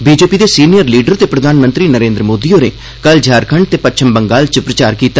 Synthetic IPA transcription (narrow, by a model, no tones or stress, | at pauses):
biːd͡ʒeːpiːd̪eːsiːnijəɾliːɖəɾt̪eːpɾəd̪ʱaːnmə̃nt̪ɾiːnəɾẽːnd̪ɾəmoːd̪iːoːnḛː | kəld͡ʒʱaːɾkʰəɳɖ̚t̪eːpətːt͡ʃʰəmbəŋɡaːlt͡ʃəpɾət͡ʃaːɾkiːt̪a